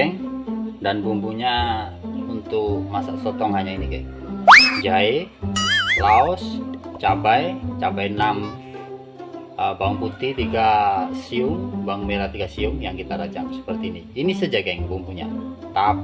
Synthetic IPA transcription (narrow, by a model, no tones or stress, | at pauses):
ɛŋdanbumbuɲa | unt̪ʊkmasasɔt̪ɔŋhaɲainiɡajŋd͡ʒae | laɔst͡ʃabajt͡ʃabajnam | əbauŋput̪it̪iɡasiʊŋbaŋmeɾat̪iɡasiʊŋjaŋkit̪aɾat͡ʃamsə̥pərt̪iːniːnisəd͡ʒaɡaŋbumpuɲa̰t̪ap